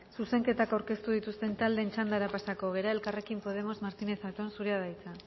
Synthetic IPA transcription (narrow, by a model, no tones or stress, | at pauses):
suse̞ŋke̞t̪akawɾke̞st̪uð̞it̪ust̪e̞nt̪ald̪ent͡ʃand̪aɾapasako̞ɣ̞e̞ɾae̞lkare̞kimpo̞ð̞e̞mo̞zmaɾt̪ine̞θat̪o̞nsuɾeaðajt͡sa